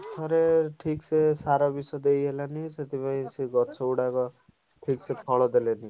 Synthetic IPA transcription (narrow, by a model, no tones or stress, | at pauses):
sʌɾeʈʰiksesaɾɔbisɔd̪ejɦelaniset̪ipaĩsiɡʌt͡sʰɔuɽakɔ | ʈʰiksepʰɔɭɔd̪eleni